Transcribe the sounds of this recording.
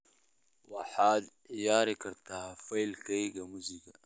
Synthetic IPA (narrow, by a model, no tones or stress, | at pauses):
wɑħaːd̪ʕɪjaːɾikʰɐɾt̪ʰafɐjlkɐjɡɐmusiɡɐ